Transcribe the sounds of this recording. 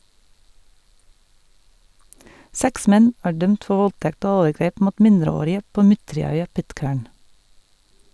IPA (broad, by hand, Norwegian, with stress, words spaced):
ˈsɛks ˈmɛn ˈæː ˈɖœmt ˈfɔ ˈʋɔlˌtɛkt ˈoː ˈoːʋəˌɡɾeːp ˈmuːt ˈmɪndɾəˌoːɾɪə ˈpoː ˈmʏtɹɪˌœʏɑ ˈpɪtˌkæːɳ